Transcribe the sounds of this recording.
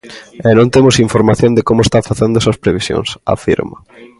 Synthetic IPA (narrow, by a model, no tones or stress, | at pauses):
ɛnõnt̪emosiɱfoɾmaθjõnd̪ekomʊest̪afaθend̪ʊesɐspɾeβisjo̰ŋsa̰fḭɾmɐ̰